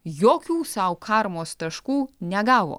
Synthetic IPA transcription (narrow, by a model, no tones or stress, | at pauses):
joːkʲuːsɐʊkʰɑːɾmoːst̪ɐʃkuːnʲɛɡɑːʋo̰ː